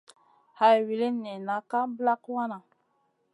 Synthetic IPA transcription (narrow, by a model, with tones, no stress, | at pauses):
ha˨wi˨li˦nːe˨na˨˦ka˦bla˦kwa˦na˨